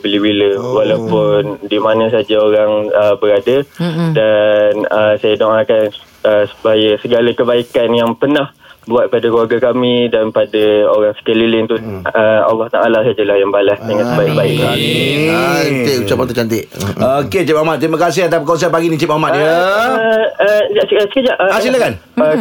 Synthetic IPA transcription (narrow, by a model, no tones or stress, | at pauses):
bəliwiləwalawpʊndimanə̃s̬ad͡ʒaoɾaŋəbəɾadadanəsajadoŋakan | əsə̥baajasəɡalakəbaikanjaŋpənah | buat̪̚padakluwarɡakamĩdanpadaoɾaŋsə̥kəlilɪnt̪uəa̰lːɑht̪aʔalasad͡ʒəlahjaŋbalasdəŋãnsəbaɪk̚baɪkna | t̪eʔut͡ʃapant̪ut͡ʃant̪ɪʔoket͡ʃip̚amat̪ːɾimãkas̬ɪɦat̪apkaws̬apaɡinit͡ʃip̚amaʔ̚jə | əd͡ʒaʔsəsə̥kəd͡ʒaʔəasilakan | ə